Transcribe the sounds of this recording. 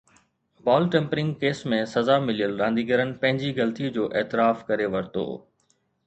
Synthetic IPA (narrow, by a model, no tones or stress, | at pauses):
baːlʈɛ̃ːmpɾɪ̃ŋɡkeːsmẽsɐzamɪlijəlɾãːnd̪iɡəɾənɪ̆pɐ̃ɦɪ̃ɲd͡ʑiɡɐlt̪id͡ʑoːʔeːt̪ɪɾaːfkɐɾeʋɐɾt̪o̰ː